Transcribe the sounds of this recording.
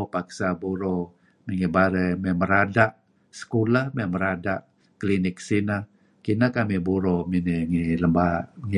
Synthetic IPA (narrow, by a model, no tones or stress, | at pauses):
paksabuɾo | miŋibaɾəmɛməɾadaʔ | sə̥kulahmeməɾadaʔ | klinɪksina | kinakamibuɾomineŋiləmbaŋi